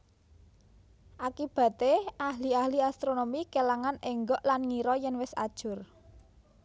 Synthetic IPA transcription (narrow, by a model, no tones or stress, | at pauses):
ʔakib̥ä̤t̪eʔaɦliahliast̪ɾonomikelaŋanɛŋɡɔʔlanŋiɾɔjɛnwɪsa̰d̥ʒ̥ʊ̤r